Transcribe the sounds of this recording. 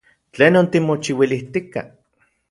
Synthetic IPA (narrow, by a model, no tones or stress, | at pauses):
t͡ɬeːnont̪imot͡ʃiwiliht̪ika̰